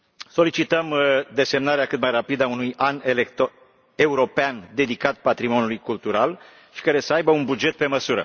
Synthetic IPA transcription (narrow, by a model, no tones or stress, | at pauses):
so̞lit͡ʃit̪əmd̪e̞se̞mnaɾeakɨt̪majrapid̪əaunujanelek̪ | e̞uɾo̞peand̪e̞d̪ikat̪̚pat̪ɾimo̞njulujkult̪uɾal | ʃi̥kaɾe̞səajbəunbud͡ʒe̞t̪̚pe̞məsuɾə̰